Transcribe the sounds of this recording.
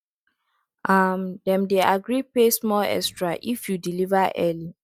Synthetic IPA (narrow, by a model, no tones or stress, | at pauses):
ʔamdɛ̃mdeaɡɹipesmɔlɛ̰kstɹaʔifjudilivaʔɛli